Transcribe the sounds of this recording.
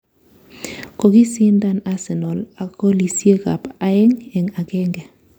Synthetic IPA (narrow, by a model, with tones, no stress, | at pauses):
ko˨ki˦si˦nda˦na˦sɛ˨nɔ˨la˨ko˦li˨sje˦ka˨pa˨˦ɛ˦ŋɛ˨ŋa˨kɛ˦ŋɡɛ˨